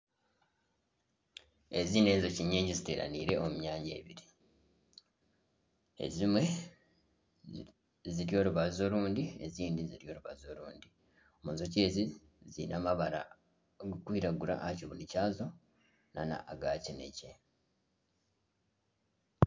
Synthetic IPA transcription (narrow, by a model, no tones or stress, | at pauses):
ezine̞ːnzociɲːiːɲɟizite̞ːɾa̰niːɾe̞omuɲaːɲɟe̞̰ːβiɾi | e̞̰zimwe̞ | ziɾjo̞ːɾuβazo̞luːndieziːndiziɾjo̞ːɾuβazoluːndi | omunzoce̞ːzi | zinʔamaβaɾa̰ | ɡukwiːɾaɡuɾa̰ʔaciβunicaːzo̞ | nana̰ʔːɡaːcinḛce